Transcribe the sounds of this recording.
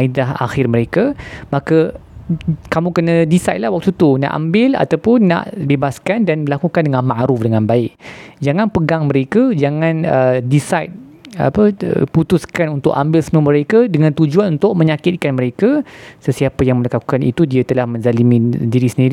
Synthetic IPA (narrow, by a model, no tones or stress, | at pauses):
idaɦa̰xɪrməɾekamakə | kamũkənə̃disajt̪lahwak̚t̪ut̪una̰ʔa̰mbɪla̰t̪awpʊnːa̰ʔbebaskandanəlakukandəŋãnmaʔɾʊfdəŋãnbaɪʔ̚d͡ʒaŋãnpəɡaŋməɾekad͡ʒaŋãnədisajt̪̚a̰pə̰put̪uskanunt̪ʊʔambɪlsəmũaməɾekadəŋãnt̪ud͡ʒuanunt̪ʊʔ̚mə̃ɲakɪt̪̚kanməɾekasəsiapajaŋməlakaku̥kanḭt̪udiat̪əlahmə̃nzalimĩdiɾisəndiɾi